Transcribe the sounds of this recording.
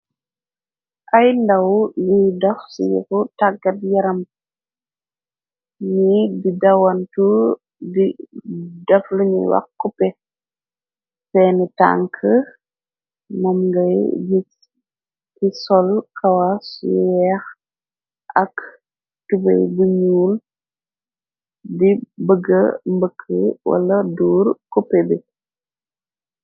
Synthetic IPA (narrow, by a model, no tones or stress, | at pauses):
ʔɐjndɐwlujdɐfsṵjṵkutaɡɐt̚jɐɾɐm | ɲibidɐwɐntu | bi | dɐfluɲṵwɐ̰kkːupɛ | fɛːnɛta̰ŋkʰə | mɔmɡɐjd͡ʒit | kisɔlkɐwasjɛx | ʔɐk | tubɛ̰jbuɲuːl | dibəɡːəmbəkʰːəwɐ̰lɐduːɾkupɛbi